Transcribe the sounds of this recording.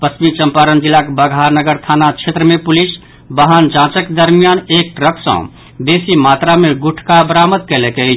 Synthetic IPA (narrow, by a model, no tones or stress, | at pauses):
pəsmit͡ʃəmpaɾənd͡ʒilːakebəɡʱɦaɾnəɡəɾt̪ʰanat͡ʃʰet̪ɾəmepulis | bəɦənd͡ʒãt͡ʃəkːed̪əɾmijanekɾəksə̰̃ | d̪esimat̪ɾameɡuʈʰkabəɾaməd̪̚kɛleke